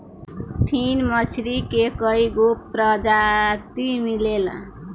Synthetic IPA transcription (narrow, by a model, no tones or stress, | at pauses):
pʰinmʌt͡ʃʰɾikekʌiɡopɾəd͡ʒat̪imilel